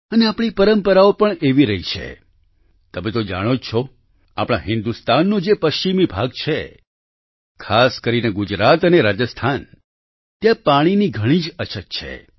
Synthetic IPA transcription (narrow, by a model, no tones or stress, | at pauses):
əneapɳ̃ipəɾəmpəɾaopəɳeʋiɾəɦit͡ʃʰḛ | t̪əmet̪od͡ʒaɽ̃ot͡ʃʰo | a̰pɽ̃aɦɪ̃nd̪ust̪anːũd͡ʒepəʃt͡ʃimibʱaɡ̚t͡ʃʰe | kʰaskəɾineɡud͡ʒɾat̪əneɾad͡ʒəst̪ʰan | t̪jãpaɽ̃iniɡʱəɽ̃id͡ʒət͡ʃʰək̚t͡ʃʰḛ